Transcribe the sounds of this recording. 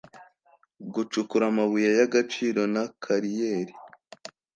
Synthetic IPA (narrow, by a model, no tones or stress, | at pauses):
ɡut͡ʃukuɾamaβujajaɡat͡ʃiːɾo̞nakʰaɾijeːɾi